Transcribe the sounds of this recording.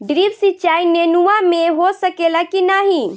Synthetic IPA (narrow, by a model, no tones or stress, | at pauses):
ɖɾibsit͡ʃainenuameɦosəkelakinaɦi